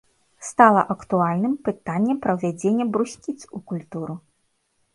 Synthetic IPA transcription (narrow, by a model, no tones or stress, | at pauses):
st̪alˠɐʔɐkt̪ualʲnɨmpɨt̪anʲːɛpɾɐwvʲad͡zʲenʲːɛbɾusʲkʲit̪sukulʲt̪uɾu